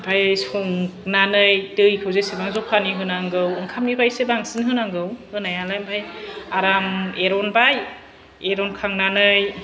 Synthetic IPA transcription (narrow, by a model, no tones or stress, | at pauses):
bʰʱajsɔŋknanɯjtɯjkʰɯwzesebaŋzɔpʰaniɦɯnaŋɡɯwɯŋkʰamnibʰʱajsebaŋsɯnɦɯnaŋɡɯwhɯnajalajmbʰʱajaɾameɾɔnbaj | eɾɔnkʰaŋnanɯj